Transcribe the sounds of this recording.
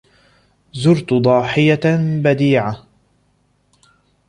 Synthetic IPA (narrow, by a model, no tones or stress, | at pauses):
zʊɾt̪d̪ˤɑːħɪjabad̪iːʕa